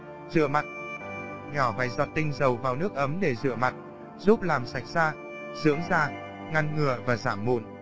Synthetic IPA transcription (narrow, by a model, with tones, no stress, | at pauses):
z̥ɨ̰˧˨əma˨˩t̚ | ɲɔ˧˩fa̰ː˧˩˨jzɔ̰˨˩t̚t̪ï˧ŋ̟zə˨˩wvaː˨˩wnɨ˦˥ək̚ʔə˨˦mɗe˧˩zɨ̰˧˨əma˨˩t̚ | zu˦˥p̚laː˨˩msa˨˩jk̚zaː˧ | z̥ɨ̰˧˥əŋzaː˧ | ŋa˧nŋɨ˨˩əvaː˨˩zaː˧˩mːṵ˧˨n